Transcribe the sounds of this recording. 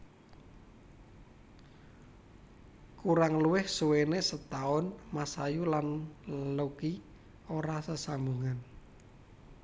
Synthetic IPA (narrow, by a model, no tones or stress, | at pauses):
kuɾaŋluwɪhsuwenesət̪aʊnmasajulanloki | oɾasəsambuŋan